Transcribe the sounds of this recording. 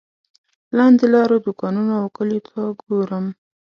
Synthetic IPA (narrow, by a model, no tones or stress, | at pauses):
lɑnd̪elɑɾod̪ʊkɑnunaokəlit̪ʰaɡoɾəm